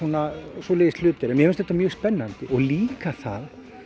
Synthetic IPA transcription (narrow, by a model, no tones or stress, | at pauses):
uːnasvɔlɛːjɪst̪lʏːt̪ɪɾɛnmjɛhmʏnst̪ɛht̪amjœːɣspɛnːant̪ɪʔɔɣliːkaθa̰ð